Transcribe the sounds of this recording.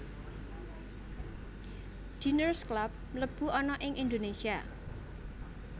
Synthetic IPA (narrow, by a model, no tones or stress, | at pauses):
d̥inərsklap̚ləb̥ṳɔnɔʔɪŋʔind̪onesia